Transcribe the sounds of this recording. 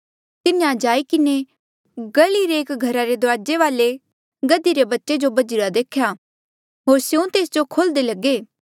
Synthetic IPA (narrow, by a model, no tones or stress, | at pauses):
t̪ɪnjãd͡ʒaːikɪne | ɡɐliɾeːkɡʱɐɾaɾed̪ʊʋaːd͡ʒeʋaːle | ɡɐd̪iɾebɐtːʃed͡ʒobɐd͡ʒɪɾad̪eːkʰjaː | ɦoːɾsjũt̪eːsd͡ʒokʰold̪elɐɡeː